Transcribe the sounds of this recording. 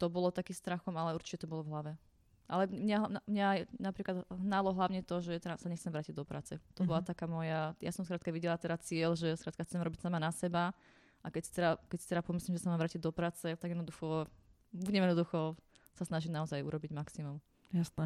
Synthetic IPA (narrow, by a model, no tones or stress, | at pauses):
t̪ɔbɔlɔt̪akist̪ɾaxɔmalɛuɾt͡ʃi̥cɛt̪ɔbɔlɔvɦlaʋɛ | ʔalɛmɲaɦnamɲajnapɾiːklad̪ɦnalɔɦlaʊɲɛt̪ɔʒɛt̪ɛɾasaɲɛxt͡sɛmʋɾaːciɟ̚d̪ɔpɾa̰ːt͡sɛt̪ɔbɔlat̪akaːmɔjaja̰sɔmskɾaːt̪kaʋiɟɛlat̪ɛɾat͡sɪɛlʒɛskɾaːt̪kaxt͡sɛmɾɔbicsamanasɛba | ʔakɛcsi̥t̪ɛɾakɛcsit̪ɛɾapɔmislimʒɛsamamʋɾaːciɟd̪ɔpɾaːt͡sɛt̪aɡjɛd̪nɔd̪uxɔ | uɲɛmjɛd̪nɔd̪uxɔ | sasnaʒimnaɔzajṵɾɔbiɟmaksimum | jasnɛ